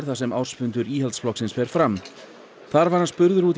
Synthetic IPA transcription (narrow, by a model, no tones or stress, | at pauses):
ɾθasɛmaw̥spʏnt̪ʏɾiːhalt̪sflɔksɪnsfɛːɾ̥fɾam | θaɾvaɾ̥hanspʏɾðʏɾuːt̪